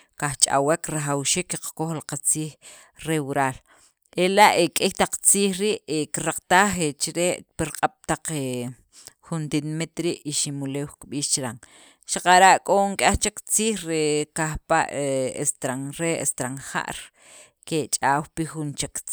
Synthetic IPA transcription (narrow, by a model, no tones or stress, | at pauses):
kaxt͡ʃʼa̰wekɾaχawʃiːkːiqḁkoxlaqat͡siːx | ɾewuɾaːl | elaʔekʼixt̪aq͡χt͡siːxɾiːʔekiɾaq͡χt̪aːχet͡ʃiɾeːʔpiɾqʼaɓ̥t̪aq͡χe | xunt̪inamit̪ɾiːʔiʃimuleːwkɓiːʃt͡ʃɾaŋ | ʃaqaɾaʔkʼoŋkʼaxt͡ʃekt͡siːxɾekaxpaʔeest̪ɾaŋɾeḛst̪ɾaŋxa̰ʔɾ | ket͡ʃʼaːwpixunt͡ʃek